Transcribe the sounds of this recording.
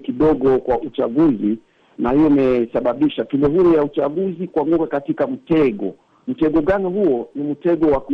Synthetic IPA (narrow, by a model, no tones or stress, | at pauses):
kiɗɔɠɔkwaʔut͡ʃaɠuzi | nahijɔmɛsaɓaɓiʃatinɛɦuɾujaut͡ʃaɠuzikwaŋɡukakatikam̩tɛɡɔ̰ | m̩tɛɠɔɠanihuɔnim̩tɛɡɔwak